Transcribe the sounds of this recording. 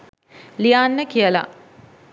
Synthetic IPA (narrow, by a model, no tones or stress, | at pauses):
lijaːnːəkijəla̰